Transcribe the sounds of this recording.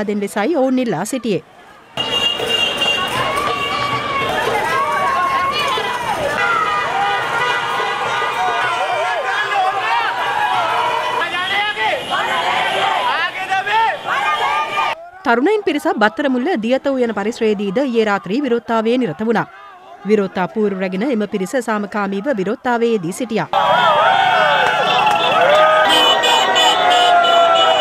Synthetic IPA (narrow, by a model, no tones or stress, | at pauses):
d̪enʋɪsaːjoːnilːaːsiʈːijeː | t̪ɐɾunɐjnpiɾisɐbɐt̪ːɐɾɐmulːɐd̪ijɐt̪ɐʋujɐnɐpɐɾiʃɾeːd̪iːd̪ɐjeːɾaːt̪ɾiːʋiɾoːt̪ːaːʋeːniɾɐt̪ɐʋunaː | ʋiɾoːt̪ːaːpuːɾuɾɐɡnɐemɐpiɾisɐsaːmɐkaːmiːʋɐʋiɾoːt̪ːaːʋeːjɐd̪isiʈijaː